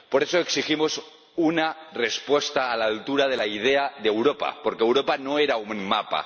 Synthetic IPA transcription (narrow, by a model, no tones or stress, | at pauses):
po̞ɾe̞soeksiximo̞s | unare̞spwe̞st̪aːlaːlt̪uɾað̞e̞laið̞e̞aðeewɾo̞pa̰po̞ɾkeːwɾopano̞e̞ɾauŋmapa̰